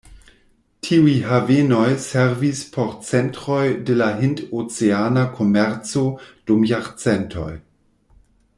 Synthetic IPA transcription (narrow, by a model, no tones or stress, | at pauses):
tʰiujɦavenojsɛʁvispʰɔʁt͡sɛntʁojdelaɦintot͡seanakʰomɛʁt͡sod̥umjaʁt͡sɛntʰo̰j